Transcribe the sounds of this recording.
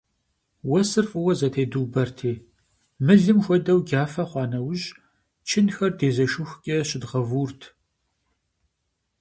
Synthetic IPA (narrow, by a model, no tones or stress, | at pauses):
wɐsɨrfʼɨwɐzɐtʰeːduːbɐrtʰeː | mɨɮɨmxʷɔdɐwɡʲaːfɐχʷɑːnɐwʊʑ | t͡ʃʰɪnxɐrdʰeːzɐʃʊxʷkʲʼɐɕɪdʁɐvuːrtʰ